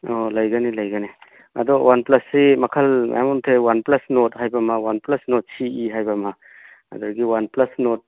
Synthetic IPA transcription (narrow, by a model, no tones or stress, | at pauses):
ɔlɐjɡɐnilɐjɡɐni | ɐ̰d̪ɔwʔanplɐsːimɐkʰɐla̰jamɔntʰewanplɐsnot̚hajbɐmɐwanplɐsnɔt̚siiɦajbɐmɐ | ɐ̰d̪ɔɾɡiwanplɐsnot̚